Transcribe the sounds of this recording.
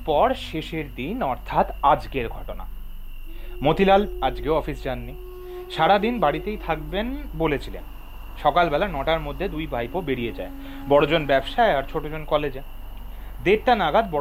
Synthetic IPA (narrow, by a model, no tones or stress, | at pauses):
pɔɾʃeʃeɾd̪inɔɾt̪ʰat̪ad͡ʑkeɾɡʱɔʈona̰ | mot̪ilalad͡ʑkeoɔfisd͡ʑanːi | ʃaɽad̪inbaɽit̪ejt̪ʰak̚benbolet͡ɕʰilḛn | ʃɔkalbɛlanɔʈaɾmod̪ʱːed̪ujbʱajpobeɽijed͡ʑa̰e | bɔɽod͡ʑonbɛbʃaeaɾt͡ɕʰoʈod͡ʑonkɔled͡ʑe | d̪eɾ̚ʈanaɡad̪̚bɔ